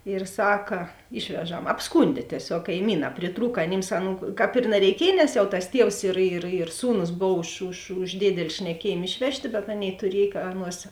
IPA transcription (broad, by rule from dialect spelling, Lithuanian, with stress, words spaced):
ɪr ˈsɑːkɐ ˈɪʃʲʋʲɛˌʒɐm ɐpsˈkʊnʲdʲeː tʲiɛˈsʲoːk kɐɪˈmʲiːnɑː pʲrʲɪˈtruːk ɐˈnʲɪms ˈɑːˌnuː ˈkɑːp ɪr nɐrʲɛɪˈkʲiɛj nʲɛs jɛʊ tɐs ˈtʲiɛws ɪr ɪr ɪr ˈsuːnʊs ˈboːw ʊʃ ʊʃ ʊʃ ˈdʲeːdʲɛlʲɪ ʃʲnʲɛˈkʲiɛjeːm ˈɪʃʲʋʲɛʃʲˌtʲeː bʲɛt ˈɑːˌnʲeːɪ tʊˈrʲiɛj kɐ ˈɑːˌnuɔs